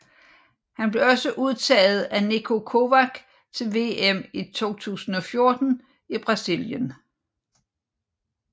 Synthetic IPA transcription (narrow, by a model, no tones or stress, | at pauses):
hænb̥le̝ɒ̽səʔuð̞ˠt͡sʰɛ̰ːð̩ˠænikʰo̝kʰo̝ʋæɡ̥ | t͡sʰe̝lʋe̝ːemit͡sʰo̝̰ːt͡sʰṵːsn̩ɒ̽fjo̝ɐd̥n̩ | ib̥ʁɑ̈siljən